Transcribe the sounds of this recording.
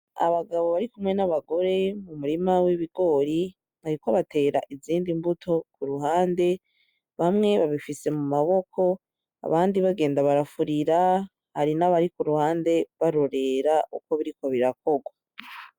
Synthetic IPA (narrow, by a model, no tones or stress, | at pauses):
a̰βaɡaβo̞βaɾikumŋe̞naβaɡo̞ɾe̞mumuɾimawiβiɡo̞ːɾi | βaɾikoβate̞ːɾa̰ʔiziːndimbutʰo̞kuɾuɦaːnde̞ | βamŋe̞βaβifise̞mumaβo̞kʰo̞ | a̰βaːndiβaɡe̞ːndaβaɾafuɾiɾa | haɾinaβaɾikuɾuhaːnde̞βaɾo̞ɾe̞ɾaʔuko̞βiɾiko̞βiɾak̚o̞ɡwa